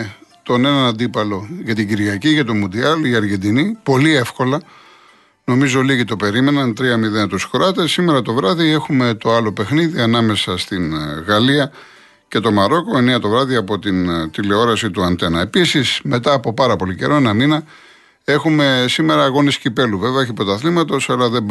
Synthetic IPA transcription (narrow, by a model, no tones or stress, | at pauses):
t̪o̞ne̞nɐnɐnd̪ipɐlo̞ʝɐt̪iɟiɾʝɐciʝɐt̪omund̪iɐliɐɾʝe̞nd̪inipo̞lie̞fko̞lɐ | no̞mizo̞liɣit̪o̞pe̞ɾime̞nɐnt̪ɾiɐmiðent̪oskuɾɐt̪e̞sime̞ɾɐt̪o̞vɾɐðie̞xume̞t̪o̞ɐlo̞pe̞xniðiɐnɐme̞sɐst̪inɣɐliɐ | ce̞t̪o̞mɐɾo̞ko̞e̞neɐt̪o̞vɾɐðiɐpo̞t̪int̪ile̞o̞ɾɐsit̪uɐnt̪e̞nɐe̞pisisme̞t̪ɐːpo̞pɐɾɐpo̞lice̞̰ɾo̞enɐminɐ | e̞xume̞sime̞ɾɐːɣo̞niscipe̞luveveɐeçipɾo̞t̪ɐθlimɐt̪o̞sɐlɐðe̞mb